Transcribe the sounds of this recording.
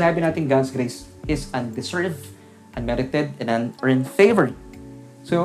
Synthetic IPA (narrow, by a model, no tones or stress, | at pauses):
naːbɪnat̪ɪ̃ŋɡad̪sɡɾejsʔɪsɐ̃nd̪ɪsɛɹv | ʔɐ̃nmɛɾɪt̪ɛd̪̚ɛ̃nãnəɹɪ̃nfeɪvəɹɪ̃ | so